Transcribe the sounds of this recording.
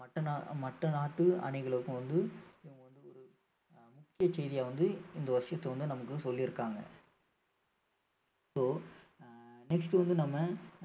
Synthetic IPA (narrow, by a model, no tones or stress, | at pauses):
ɐʈːɐnamɐʈːɐnaːʈːɯɐ̰ɳɪɣɐɭɯkːɯ̃ʋɐnd̪ɯɪʋɐŋɡɐʋɐnd̪ɯɔɾɯ | mʊkːɪjɐt͡ʃɛðɪjaːʋɐnd̪ɯɪnd̪ɐʋɐɾɪʂɐt̪ːɐʋɐnd̪ɯnɐmɐkːɯsɔlːɪɾɯkːaːŋɡɐ̰ | soː | nɛksʈɯʋɐnd̪ɯnɐmːɐ